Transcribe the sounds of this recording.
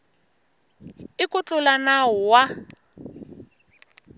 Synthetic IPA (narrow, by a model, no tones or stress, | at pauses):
ɪkʊt͡ɬʊlanaɦʊwa